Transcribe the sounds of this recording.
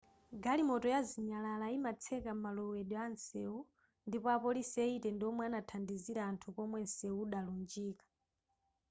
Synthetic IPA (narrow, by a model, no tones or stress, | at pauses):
ɡalimɔtɔjaziɲalalaimat͡sʰɛkam̩malɔwɛɗɔansɛu | ndipɔapɔlisɛitɛndiɔmwɛanatʰandiziɾaːntʰukɔmwɛnsɛuɗalund͡ʒiːkḁ